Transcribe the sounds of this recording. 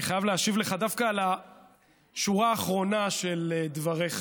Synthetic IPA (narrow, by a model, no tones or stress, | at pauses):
iχajavleaʃivleχad̪afkala | ʃuʁaːχʁo̞naʃeled̪vaʁeχ